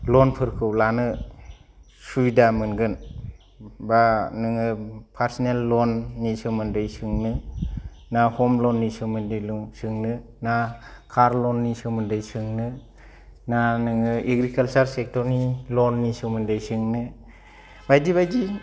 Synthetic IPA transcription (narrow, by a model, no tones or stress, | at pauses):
lɔnpʰɯɾkʰɯwlanɯ | suidamɯnɡɯn | banɯŋɯpʰaɾsinelːɔnːisɯmɯndɯjsɯŋnɯ | nahɔmlɔnːisɯŋmɯndɯjluŋsɯŋnɯ | nakʰaɾlɔnːisɯmɯndɯjsɯŋnɯ | nanɯŋɯeɡɾikalt͡ʃaɾsek̚tɔɾnilɔnːisɯmɯndɯjsɯŋnɯ | bajdibajdi